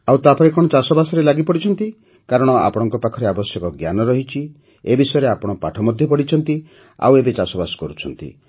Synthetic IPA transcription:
awt̪apɔɾekɔɽ̃ɔt͡ʃasɔbasɔɾelaɡipɔɽit͡ʃʰɔnt̪i | kaɾɔɽ̃ɔa̰pɔɽ̃ɔŋkɔpakʰɔɾeabɔsjɔkɔɡjanɔɾɔɦit͡ʃʰi | ebisɔjɔɾeapɔɽ̃ɔpaʈʰɔmɔd̪ʱjɔpɔɽit͡ʃʰɔnt̪i | a̰webet͡ʃasɔbasɔ̥kɔɾut͡ʃʰɔnt̪ḭ

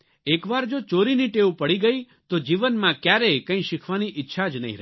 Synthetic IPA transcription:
ekʋaɾd͡ʒot͡ʃoɾiniʈeupəɽiɡəi | t̪od͡ʒiʋənmãkjaɾekə̃ĩʃɪkʰʋaniʔɪtːʃʰad͡ʒnə̰ɦḭ̃ɾə

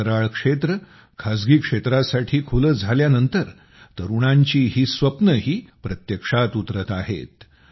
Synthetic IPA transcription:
əɾaɭkʂet̪ɾə | kʰad͡zɡiːkʂet̪ɾasaʈʰiːkʰuləd͡zʱaljanənt̪əɾ | t̪əɾuɽ̃aɲt͡ɕiːɦiːsʋəpnəɦiːpɾət̪jəkʂat̪ut̪ɾət̪aɦḛt̪

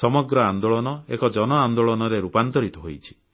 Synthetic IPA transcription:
sɔmɔɡɾɔand̪oɭɔnɔekɔd͡ʒɔnɔand̪oɭɔnɔɾeɾupant̪ɔɾit̪ɔɦojt͡ʃʰi̥

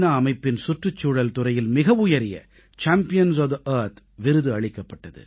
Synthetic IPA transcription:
nɐːmɐɪpːɪnsʊʈrɯt͡ʃːuːɽɐlt̪ʊɾɐjɪlmɪɣɐʋʊjɐɾɪjɐ̰ | t͡ʃaːmpɪjɐns̬ɐʋðʔɐːɾt̪ | ʋɪɾɯðɯɐɻɪkːɐpːɐʈːɐðɯ̰

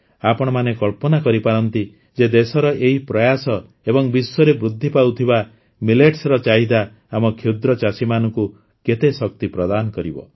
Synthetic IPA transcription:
apɔɽ̃ɔmanekɔɭpɔnakɔɾipaɾɔnt̪i | d͡ʒed̪esɔɾɔʔeɦipɾɔjasɔ | ebɔŋbisːɔɾebɾud̪ʱːipawt̪ʰiba | mileʈsɾɔt͡ʃaɦid̪aː | mɔkʰjud̪ɾɔt͡ʃasimanɔŋku | ket̪esɔk̚t̪ipɾɔd̪anɔkɔɾibɔ̰

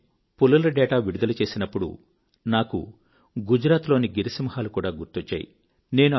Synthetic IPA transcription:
pulːɐlɐɖɛːʈaːʋiɽud̪ɐlɐt͡ʃe̞ːsinɐpːuɽṵ | naːkṵ | ɡud͡ʒɾaːt̪lo̞ːniɡiɾisimɐhaːlukuːɽaːɡuɾt̪ot͡ʃːa̰ːjḭ | ne̞ːnu

